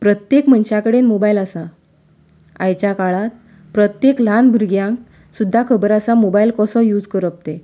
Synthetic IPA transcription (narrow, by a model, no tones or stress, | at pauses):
pɾət̪jekm̤ənɕakəɽenmobailasa | a̰jt͡ɕjakaɭat̪̚ | pɾət̪jeklanbʱuɾɡjãŋk | sud̪ʱːakʰəbəɾasamobailkɔsɔjud͡zkəɾəp̚t̪e